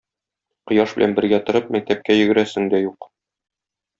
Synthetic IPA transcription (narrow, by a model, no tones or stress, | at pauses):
qŏjɑʃbɘ̆lʔæ̰nbɘ̆ɾɡæt̪ɤ̆ɾɤp̚mæk̚t̪æp̚kæjɘ̆ɡɘ̆ɾæsɘŋd̪æjuq